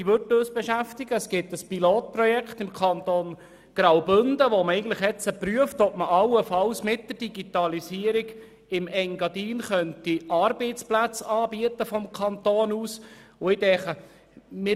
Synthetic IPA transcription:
iʋøtøːsb̥ɛʃæft̪ɪɡ̥əɛsɡ̥ɪt̪əspiloːt̪̚prɔjɛkχt̪ɪmkʰɑnt̪oːn | ɡ̥ɾɑwbʏndəʋoməɛɪɡən̩t̪lɪχjɛt͡səpryəft̪ɔp̚məʔɑwəfɑlsmɪt̚d̥̪ərd̥iɡ̥it̪ɑlisiəɾiɡ | ɪmɛŋɡɑdiːnχœnt̪iɑːɾbɛɪt͡splæt͡sɑːbiət̪əfɔmkʰɑnt̪oːnuːsʊɪdɛχə | mɪ

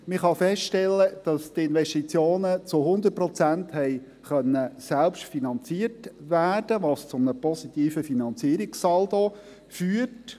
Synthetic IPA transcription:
mɪχɑfɛstʃtɛlːəd̥ɑst̪ɪnʋɛʃtit͡sjoːnət͡sʊɦʊnd̪ət̚pɾɔt͡sænthɛɪ | χœnːəsælpʃtfinɑnt͡siətʋæːrd̥əʋɑst͡sʊmnəpɔsit̪iːfəfinɑnt͡siəɾiksɑld̪o | fyːt

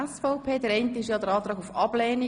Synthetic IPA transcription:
ɛsfɔʊpʰeːdəɾɛɪntəɪʃjɑːd̪əɾɑːt̪ɾɑːɡufɑb̥lɛːni

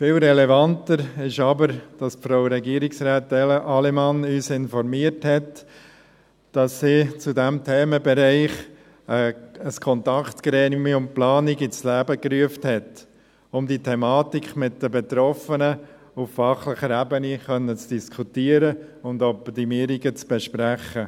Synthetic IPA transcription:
fɪlɾɛlɛvɑntəɾɪʃɑbəɾd̥ɑsfɾoʊɾɛɡiːəɾiksɾaːtɛləʔɑlɛmɑnyːsɪnfɔɾmiəɾthɛt | d̥ɑsːiːt͡sudɛmtʰɛːməbɛɾæɪχ | əəskʰɔntɑkt̪kɾɛːnɪmiʊntplɑːniɡit͡slæːbəkryəfthɛt | ʊmditʰɛmɑːtikχmɪt̚dəbɛt̪ɾɔfənə | uffɑχlɪχəɾæbəniχœnːət͡sd̥iskʰutiːəɾəʊndɔptimiːɾiɡət͡sb̥ɛʃpɾæχə

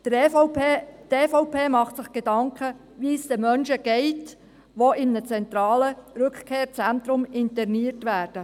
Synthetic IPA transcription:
tefɔʊpʰeːmɑχtsɪχɡ̥edɑŋkʰə | ʋisd̥̪əmœnʃəɡ̥ɛɪt | ʋoʔɪmnət͡sɛnt̪ɾɑːləɾɵkχkʰeːɾt͡sɛnt̪ɾʊmɪntɛrniːəɾtʋæːɾd̥ə

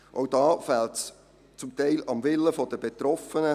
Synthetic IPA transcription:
ʔoʊdɑːfɛlts | t͡sʊmt̪ɛɪlɑmvɪlːəfɔd̥əbet̪ɾɔfənə

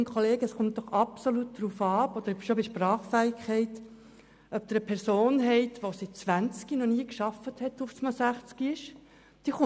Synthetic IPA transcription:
nkχɔleːɡəəsχʊmt̚d̥̪ɔχɑpsolut̚d̪̥ɾufɑːɔd̪əɾʃobiʃprɑːχfæɪkʰχɛɪt | œp̚d̪əɾəpʰɛɾsoːnɦɛɪt̪ʋosit̚t͡sʋænt͡skinɔniːəkʃɑfəthɛt̪ufsmɑsæχt͡skiɪʃ | d̪̥iːχʊ

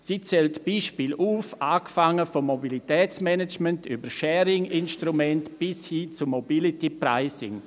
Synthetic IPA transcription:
sit͡sɛltb̥iːʃpiːlʔuːfaːkfaŋəfɔmːobilitɛːt͡smɛnɛt͡ʃmɛntybəʃɛːɾɪŋɪnʃtɾumɛntb̥ɪshiːt͡sumːobilitipɾa̰ɪsɪ̰ŋ

